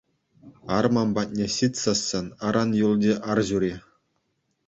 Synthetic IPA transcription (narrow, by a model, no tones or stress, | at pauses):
ɑrmɑmbɑt̚ʲnʲeɕit̪ʲsɑsːɤnɑɾɑnjulʲˠdʲeʔɑrʑuɾʲe